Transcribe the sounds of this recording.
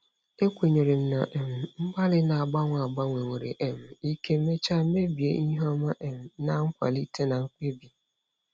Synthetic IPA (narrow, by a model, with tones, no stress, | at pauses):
e˦kʷe˨ɲe˨ɾe˨m̩˨˦na̰˨ʔm̩˨ŋ͡m̩˦ɡ͡ba˦lɪ˦na˨a˨ɡ͡ba˦ŋʷa˨ɡ͡ba˦ŋʷe˨ŋʷe˨ɾḛ˨ʔe˨m˨i˦ke˦me˦t͡ʃa˦me˦bi˨e˦ʔi˦ɦɔ˦ma˦ʔe˨m̩˨na˨ŋ̩˦kʷa̰˨li˦tʰe˦na˨ŋ̩˦k͡pe˦bi˨